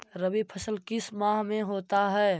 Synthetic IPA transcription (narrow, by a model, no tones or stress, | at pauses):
ɾəbipʰəsəlkɪsmãːɦmẽɦoːt̪aɦɛː